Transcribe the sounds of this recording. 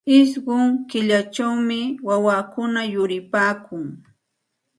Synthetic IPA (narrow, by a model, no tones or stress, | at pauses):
ɪs̬ɢʊŋkɪʎat͡ʃawmɪwawakʊnajʊɾɪpaːkʊŋ